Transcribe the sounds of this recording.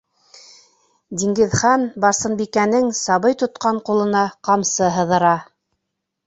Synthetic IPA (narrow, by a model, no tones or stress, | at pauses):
d̪ʲiŋɡɘ̆ðχɑnbɑɾsɤ̆nbikænɘŋsɑβɤjt̪ŏt̪qɑɴqulˠɤ̆nɑqɑmsɤɦɤ̆ðɤ̆ɾɑ